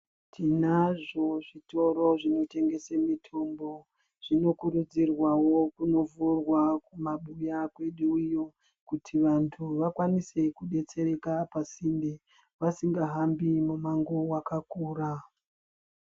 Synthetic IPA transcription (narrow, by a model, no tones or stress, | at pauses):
tʰinaʐo̞ʐito̞ɾo̞ʐino̞te̞ŋɡe̞semitʰo̞mbo̞ | ʐ̥ino̞kuɾud͡zirwawo̞kuno̞vurwakumaɓujakwe̞ɗuujo | kutʰiʋantʰuʋakwanise̞kuɗe̞t͡se̞ɾe̞kapasinde | ʋasiŋɡaɦambimumaŋɡowakakuːra